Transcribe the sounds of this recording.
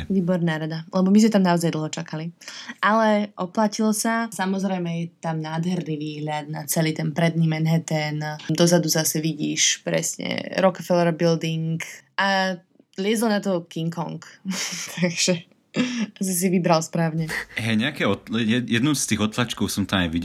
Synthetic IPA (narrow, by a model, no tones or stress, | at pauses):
ʋiːbɔɾnaːɾad̪alɛbɔmizmɛt̪amnaɔzajd̪l̩ˠɦɔt͡ʃakaliʔalɛʔɔplacilsasamɔzɾɛjmɛjɛt̪amnaːd̪ɦɛɾniʋiːɦʎad̪̚na̰t͡sɛliːt̪ɛnpɾɛd̪niːmɛnɦɛt̪ɛnd̪ɔzad̪uzasɛʋiɟḭːʃpɾɛ̰sɲɛ̰ɾɔkafɛlɾbild̪iŋkʔa | lɪɛzlɔnat̪ɔkiŋkɔŋkt̪ʰaɡʒ̥ɛ | s̬ɔs̬iʋibɾalspɾaːʊɲɛɦɛjɲɛakɛɔjɛjɛd̪nuʊst̪iːɣɔt̪lat͡ʃkɔʊsɔmt̪amajʋiɟɛ